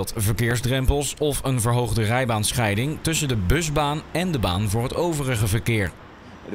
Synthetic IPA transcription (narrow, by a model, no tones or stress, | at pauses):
tvəɹkɪːɹzdrɛmpəlˠsɔfənvəɹɦowχdərɛjbaːnsχɛjdɪŋtɵsəndəbɵzbaːnɛndəba̰ːnvʊːɹɦətowvərəχəvəɹkɪːɹ